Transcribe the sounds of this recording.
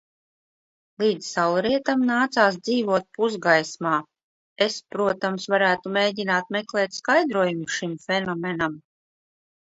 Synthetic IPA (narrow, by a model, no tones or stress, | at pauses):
lˠiːd̪zsalˠɾiɛt̪amnaːt̪saːs̬d̪ziːvuɔt̪̚puzɡajsmaː | espɾuɔt̪amsvaɾæːt̪umʲeːdʲinaːt̪̚meklˠɛːt̪ʲskajd̪ɾuɔjumʃimfɛnɔmɛnam